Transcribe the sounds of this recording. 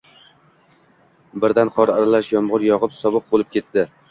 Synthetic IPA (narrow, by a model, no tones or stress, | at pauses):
bɪɾd̪anqʰɒɾaɾalaʃjɒmʁʊɾjɒʁɨpsɒbɨq̚bolɪp̚kʲʰe̞t̪ːɪ